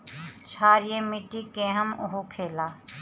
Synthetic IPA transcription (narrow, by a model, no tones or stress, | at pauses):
t͡ʃʰaːɾjẽmiʈːikẽːɦəmʊɦokʰeːlaː